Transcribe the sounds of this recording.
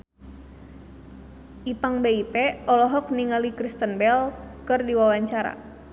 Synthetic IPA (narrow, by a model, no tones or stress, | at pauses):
ʔipaŋbeipɛɔlɔɦɔk̚niŋalikɾist̪ənbɛlkɨrdiwawaɲt͡ʃaɾa̰